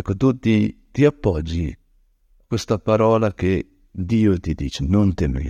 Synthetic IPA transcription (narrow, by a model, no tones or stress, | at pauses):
kːot̪ut̪it̪iapːɔd͡ʒːi | kwest̪apaɾɔːlake | d̪iːot̪id̪iːt͡ʃenont̪emḛ